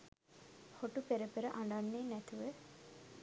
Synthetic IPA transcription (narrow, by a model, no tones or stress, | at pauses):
hoʈupeɾəpeɾəʔaɳɖanːeːnæt̪uʋə